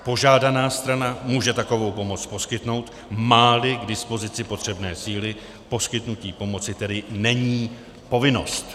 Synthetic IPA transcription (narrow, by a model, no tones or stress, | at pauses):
po̞ʒaːdanaːst̪ɾanamuːʒɛt̪ako̞vo̞wpo̞mo̞t͡spo̞skɪt̪no̞wt̪ | maːlɪɡdɪspo̞zɪt͡sɪpo̞t̪r̝̥ɛbnɛːsiːlɪ | po̞skɪt̪nuciːpo̞mo̞t͡sɪt̪ɛdɪnɛɲiː | po̞vɪno̞̰st̪